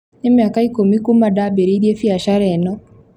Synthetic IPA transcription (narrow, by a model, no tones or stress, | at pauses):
nɪmjakaikumikumadabeɾiɾiefiaʃaɾɛnɔ